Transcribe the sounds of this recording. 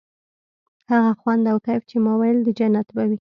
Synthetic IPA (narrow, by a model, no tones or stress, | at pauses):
haɣaxwand̪awkajft͡ʃemɑwajld̪əd͡ʒanat̪bawi